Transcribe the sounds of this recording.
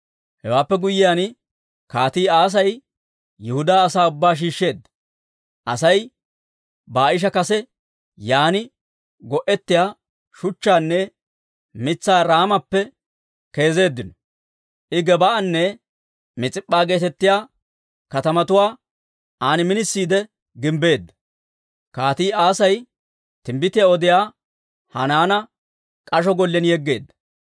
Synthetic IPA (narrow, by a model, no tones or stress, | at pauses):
hɛwaːpːɛɡʊjːɪjaːn | kaːt̪iːaːs̬ɐj | jɛhʊd̪aːsaːʊbːaːʃ̬iːʃːe̞ːd̪ːɐ | ʔɐsɐj | baːʔɪʃ̬ɐkɐsɛ | jaːnɪ | ɡɔʔɛt̪ːɪjaː | ʃʊt͡ʃːaːnːɛ | mɪt͡sːaːɾaːmɐpːɛ | ke̞ːze̞ːd̪ːɪnɔ | ʔɪɡɛbɐʔɐnːɛ | mɪt͡sʼɪpʼːaːɡe̞ːt̪ɛt̪ːɪjaː | kɐt̪ɐmɐt̪ʊwaː | aːnɪmɪnɪsːiːd̪ɛ | ɡɪmbe̞ːd̪ːɐ̥ | kaːt̪iːaːsɐj | t̪ɪmbɪt̪ɪjaɔd̪ɪjaː | hɐnaːnɐ | kʼɐʃ̬ɔɡɔlːɛnjɛɡːe̞̰ːd̪ːɐ̥